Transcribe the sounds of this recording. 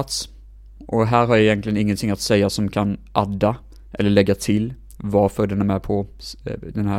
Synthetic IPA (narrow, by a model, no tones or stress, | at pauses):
t̪s | ʔɔɦæːɾɦaɾjaɪjɛnt̪lɪɡənɪŋːənt̪ʰɪŋːat̪sɛjːasɔmkʰanʔad̪ːa | ʔɛ̰lːəɭɛɡːat̪ʰɪl | vaɾfœɖɛnæmɛpʰɔ | d̪ɛnɦæː